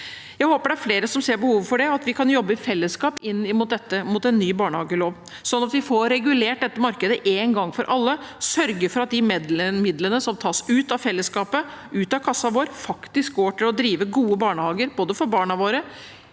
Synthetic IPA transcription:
jæɪhoːpəɖɛæɾfleːɾəsɔmseːɾbəhuːʋəfɔɖɛɑt̪ʋɪkʰɑnjɔbːəɪfɛlːəskɑːpɪnːɪmʊːt̪̚d̪ɛt̪ːəmʊt̪ɛnːyːbɑːɳəhɑːɡəɭoːʋ | sɔnːɑt̪ʋɪfɔɾɛɡʉleːʈ̚d̪ɛt̪ːəmɑɾkəd̪əʔeːnɡɑŋːfɔɾʔɑlːəsœɾɡəɾfɔɾɑt̪̚d̪ɪmɛd̪ləmɪd̪lənəsɔmt̪ʰɑːsʉːt̪ɑfɛlːəskɑːpə | ʔʉːt̪ɑkʰɑsːɑʋoːɾfɑkt̪ɪsk̚ɡoːʈɪlɔd̪ɾiːʋəɡuːəbɑːɳəhɑːɡəɾboːd̪əfɔɾbɑːɳɑʋoːɾə

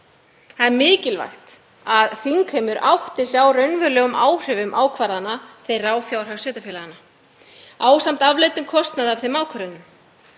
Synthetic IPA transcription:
θaðɛɾmɪːcɪlva̰jxt̪ | aðθiŋkhɛmʏɾʔawht̪ɪsjawɾœɥnvʏɾlœːɣʏmʔaːwr̥ʏvʏmʔaːwkʰvaɾðanːaθejraːwfjawɾ̥asvɛːt̪afjɛːlaðana | aːwsam̥t̪avlejt̪ʏmkʰɔst̪naðavθejmaːwkʰvaɾɪnːʏm

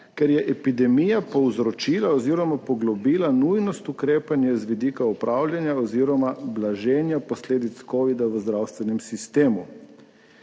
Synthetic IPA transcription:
kɛɾjɛʔɛpid̪ɛmijapɔwzɾɔt͡ʃiːlaɔziɾɔmapɔɡlɔbiːlanujnɔst̪ukɾeːpanjazʋid̪iːkaupɾʔawljanjaɔziɾɔmablaʒeːnjapɔsleːd̪it̪skɔːʋid̪aʋəzd̪ɾawst̪ʋɛnɛmsist̪eːmu

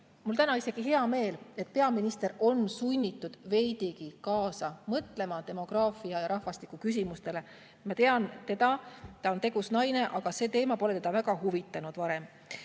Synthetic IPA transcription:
mult̪ænɑise̞ɡ̥iɦe̞ɑme̞ːle̞t̪̚pe̞ɑminist̪e̞ɾo̞nsunʲːit̪ːˑud̪̥ve̞jd̪̥iɡikɑːsɑmɤt̪le̞mɑt̪e̞mo̞ɡ̥rɑːfiɑjɑɾɑhvɑst̪i̥kːˑukys̬imust̪e̞le̞ | mɑt̪e̞ɑnt̪e̞d̪̥ɑt̪ɑo̞nt̪e̞ɡ̥usnɑjne̞ʔɑɡ̥ɑse̞ːt̪e̞ːmɑpo̞le̞t̪e̞d̪ɑvæɡɑɦuvit̪ːˑɑnud̪̥vɑɾe̞m

